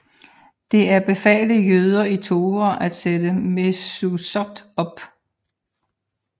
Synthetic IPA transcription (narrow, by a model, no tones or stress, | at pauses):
d̥e̝æɐb̥e̝fɛ̰ːləjøð̞ˠɐit͡sʰo̝ːɐʔæd̥sed̥əmesusɒd̥ɒ̽b̥